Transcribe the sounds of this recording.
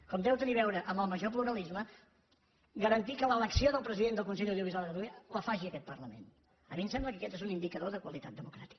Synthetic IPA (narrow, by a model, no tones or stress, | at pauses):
kɔmd̪ɛwt̪əniβ̞ɛwɾəʔəmbəlˠməʒop̬luɾəlizmə | ɡəɾənt̪ikələləksioðəlˠpɾəziðend̪əlˠkunsɛʎuwðijuβizwalˠðəɾuələfaʒiəkɛt̪̚pərləmḛn | əmimsɛmbləkəkɛt̪ezunind̪ikəðoðəkwəlit̪at̪̚d̪əmukɾa̰t̪i̥kə